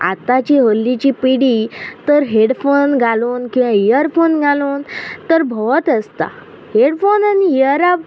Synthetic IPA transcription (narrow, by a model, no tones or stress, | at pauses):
a̰t̪at͡ɕiɦəlːit͡ɕipiɽit̪əɾɦeɽfonɡʱaloːnkĩwʋãijəɾfonɡʱalont̪əɾbʱɔt̪əst̪a̰ | heɽfonaniijəɾab